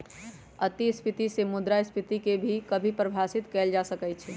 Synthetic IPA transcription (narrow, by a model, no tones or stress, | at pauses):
ət̪ispʰit̪isemud̪ɾaɪspʰit̪ikebʱikəbʱipɾəbʱasit̪kɛld͡ʒasəkɛt͡ʃʰɛ